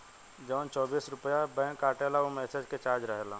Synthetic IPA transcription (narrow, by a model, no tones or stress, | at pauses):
d͡ʒɔːnt͡ʃɔːbiːsɾʊpəjabɛ̃ːnkaːʈeːlaomɛːsed͡ʒket͡ʃaːɾd͡ʒɾəɦelaː